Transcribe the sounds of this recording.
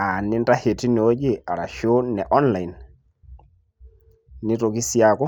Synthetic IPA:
a˨nɪ˦nda˦he˨ti˦n˨o˦d͡ʒɪ˦a˨ɾa̰˨ʃo˦nɛ˨ʔɔ˦nla˨i˨n | ɪ˦to˨ki˦sja˨kɔ˦

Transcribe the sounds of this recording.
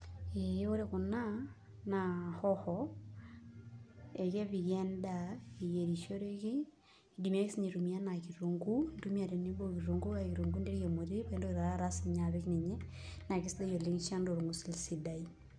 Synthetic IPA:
e˦o˦ɾe˦kʊ˨na˦ | nahɔ˦hɔ | e˨ke˦βi˨ɣɛ˦nda˨i˨je˨ɾi˨ʃo˦ɾe˦ki˦ | di˨mia˦ki˦si˦ɲi˨ɾu˨mia˦na˨ki˨ɾu˨ŋɡu˦ndu˦mia˨ɾe˨ni˦bo˦ki˨ɾu˨ŋɡu˦aki˨ɾu˨ŋɡu˦nde˦ɾi˦jo˨mo˨ɾi˦pa˨e˦ndo˦ki˨ɾa˨ɾa˦ɾa˦si˨ɲa˨βɪ˦kni˨ɲɛ˦ | na˨kɪ˦sde˦jo˨li˦ŋt͡ʃa˦ndo˨ɾu˨ŋɡusi˦lsi˨da˨i

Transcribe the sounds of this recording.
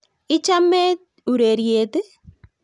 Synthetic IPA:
ɪ˦t͡ʃa˦me˦t | u˨ɾe˨ɾje˨t̪e˦

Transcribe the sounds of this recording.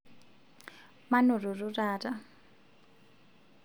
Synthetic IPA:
ma˦nʊ˨rʊ˨rʊ˦raːra˦

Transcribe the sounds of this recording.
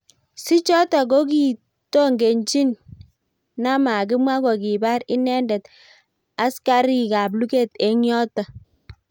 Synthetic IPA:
si˦t͡ʃɔ˦ta˨ɡo˦k̬i˨ | to˦ŋɡe˨ɲt͡ʃi˦nː | a˦ma˨k̬ɪ˦mwa˦ɡɔ˨ki˨ba˦ɾɪ˦nɛ˦ndɛ˨t | a˦ska˦ɾi˨ka˨b̬lu˦ke˦te˨˦ŋjɔ˦ta˨

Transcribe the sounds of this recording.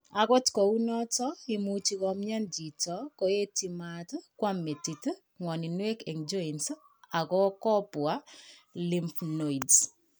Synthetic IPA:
a˨kɔ˦tkɔ˨u˦nɔ˦tɔ˦ɪ˨mu˨t͡ʃi˨kɔ˨mɲa˦nd͡ʒi˨tɔ˨˦kɔ˨e˦ti˨ma˨tkwa˦mːe˨ti˨t | ŋwɔ˨ni˨nwe˦kɛ˨ŋd͡ʒɔ˦i˨ns | a˨kɔ˦kɔ˦pʊ˨a˦li˦mpno˨i˨ds

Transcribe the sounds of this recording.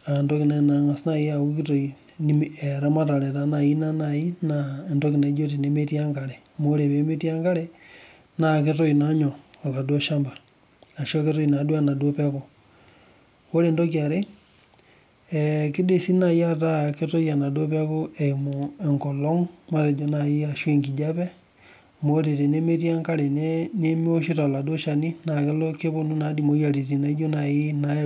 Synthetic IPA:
a˨ndo˦ki˨ne˨na˨ŋa˨sna˦˨ja˨u˦ki˦to˨i˨ | n˦e˨ɾa˦ma˦ta˨ɾɛ˨ta˨˦na˨ji˦na˦na˨ji˦na˨ndo˦kɪ˨ne˨˦d͡ʒo˦ti˨ne˨˦me˦ti˦a˦ŋka˨ɾɛ˨ | mo˦ɾe˨βe˨˦me˦ti˦a˦ŋka˦ɾɛ˦ | na˨ke˦t̬o˦i˨na˨˦ɲɔ˨o˨ka˨dwo˦ʃa˦mbaː˨ | ʃo˦ke˦tɔ˦i˨na˨du˦a˦˨na˨du˦o˦pa˦ko˨ | wo˦ɾe˨ndo˦k̬i˨a˨ɾe˦ | ɛ˨ki˦de˦si˦na˨ja˦ta˦ke˦to˦ja˨na˨do˦pa˦ko˦ɛ˨i˨mo˨e˨ŋkɔ˨lɔ˦ŋma˦ɾe˨d͡ʒo˦na˨i˦a˨ʃwe˦˨ŋɡi˨d͡ʒa˦pɛ˦ | mo˨˦te˨te˨ne˦me˦ti˦a˦ŋka˦ɾe˨ne˦ne˦m˦o˦ʃi˦ta˨la˨dwo˦ʃa˨ni˦na˨ke˦lo˦ke˦βo˦nu˦na˨˦di˨mo˨˦ja˨ɾi˨s̬i˨na˨i˦d͡ʒo˦na˨i˦na˨˦

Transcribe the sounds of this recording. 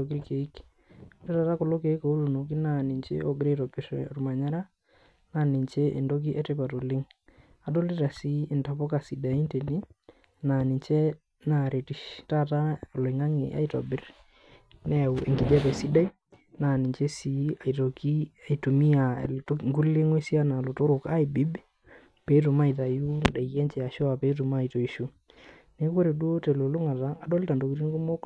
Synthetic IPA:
o˨kɪ˦lke˨i˦k | e˦ta˨ta˦kʊ˨lo˦ke˨i˦ko˨˦lo˨no˨ki˦na˨nɪ˨ɲt͡ʃḛ˦o˦ɡɪ˨ɾe˦to˨bɪ˨˦ɾ̰ɾma˨ɲa˦ɾa˦ | na˦˨nɪ˨ɲt͡ʃe˦ʔe˨ndo˦k̬i˦ʔe˦te˦pa˨to˨lɪ˦ŋ | a˨do˦lɪ˦ɾa˨si˨˦ɪ˨nta˨po˦ka˨si˨da˨i˦nte˨ni˦ | na˨nɪ˨t͡ʃe˦ | na˨ɾe˨ti˨ʃta˦ta˦˨le˨ŋa˦ŋɪ̰˨ʔa̰˦jto̰˨bɪ˦r | nɛ˦˨u˨ḛ˨ŋɡɪ˨d͡ʒɛ˦pɛ˨si˦da˦i˦ | na˨ni˨ɲt͡ʃe˦si˨a˨i˨to˨ki˦a˨i˨to˨mi˦a̰˨tŋɡu˦le˦ŋwe˦si˦a˦na˨lo˨tʊ˦ɾʊ˨ka˦jbi˦b | pe˨˦tu˨ma˦˨jta˨ju˦da˨ɣɛ˦ɲt͡ʃɛ˨a˨ʃo˦a˨pe˨˦t̬u˨ma˦˨ito˨i˦ʃu˦ | ne˦ko˦ɾe˨du˦o˦te˨lo˨lʊ˦ŋa˨taː˦˨do˦lta˨ndo˨ki˨ti˦n˦ku˦mo˦k

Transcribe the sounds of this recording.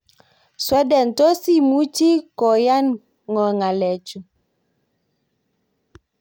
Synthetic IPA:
swɛ˦dɛ˨n˨to˦si˦˨mu˦t͡ʃi˦kɔ˨ja˦n | ŋɔ˨ŋa˨lɛ˨t͡ʃu˨

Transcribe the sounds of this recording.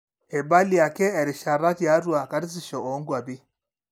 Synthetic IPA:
e˨ba˦li˦a˨kɛ˦ɛ˨ɾɪ˨ʃa˨ɾa˦tja˨˦ɾwa˨ka˦dɪ˦s̬ɪ˦˨ʃɔ˨ʔo˨˦ŋɡwa˨bɪ˦

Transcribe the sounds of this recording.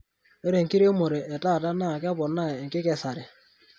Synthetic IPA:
e˦ɾe˨ŋki˦ɾe˦mo˨ɾe˨ʔɛ˨ta˦˨ta˦na˦˨kɛ˦bɔ˨na˦˨ŋkɪ˦kɛ˨sa˨ɾɛ˨

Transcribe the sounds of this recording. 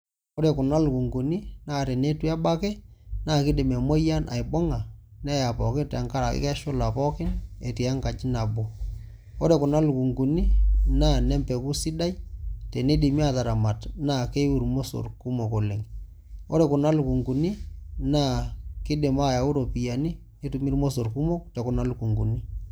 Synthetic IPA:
o˦ɾe˨kʊ˨na˦lku˨ŋɡu˨ni˦naː˦˨ɾɛ˨ne˦tu˦a˦ba˦kɛ˦naː˦˨kɪ˦dɪ˨mɛ˨mo˦ja˦nʔa̰˨jbɔ˦ŋa˨nɛ˦ja˨pɔ˨kɪ˦ta˨ŋka˦ɾa˨kɪ̰˦kɛ˦ʃʊ˦la˨pɔ˦kɪ˦ne˨ti˨a˦ŋka˨t͡ʃɪ˦na˨bo˨ | o˦ɾe˨kʊ˨na˦lku˨ŋku˨ni˦naː˦˨nɛ˦mpɛ˨ku˦si˦da˦jtɛ˨ne˦di˨mi˦a˨ta˨ɾa˨ma˨tna˦˨ke˦wu˨ɾmo˦so̰˨rku˦mo˨ko˨le˨ŋ | o̰˦ɾɛ˨kʊ˨na˦lku˨ŋɡu˨ni˦naː˦˨kɪ˦dɪ˨ma˦˨ja˨u˦ɾo˨pi˨ja˨ni˦ | ni˦tu˨mi˦ɾmo˦s̬o˨ɾku˦mo˦k̚tɛ˨kʊ˨na˦lku˨ŋɡu˨ni˦

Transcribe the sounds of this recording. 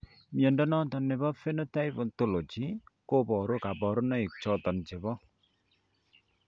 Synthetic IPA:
mjɔ˨ndɔ˦nɔ˦tɔ˨nːe˨bɔ˦fe˦no˦ta˦i˦po˨nto˦lo˨d͡ʒi˨˦ko˦bɔ˨ɾo˦ka˨bɔ˨ɾo˦na˦i˨k̚t͡ʃɔ˦tɔ˨nd͡ʒe˨βɔ˦

